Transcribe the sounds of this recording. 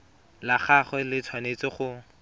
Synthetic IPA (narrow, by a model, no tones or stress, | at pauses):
laχaχwɛlɪt͡sʰwanet͡sɪχʊ